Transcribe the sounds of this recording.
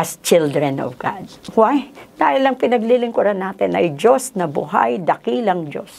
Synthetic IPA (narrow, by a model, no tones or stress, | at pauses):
ʔɐst͡ʃɪld̪ɹɛnɔ̰vɡad̪̚wajd̪aːhɪlɐŋpɪnɐɡlilɪŋkʊɾanaːt̪ɪnʔɐjd͡ʒosnɐbʊ̰ɦa̰jd̪ɐkiːlɐŋd͡ʒo̰s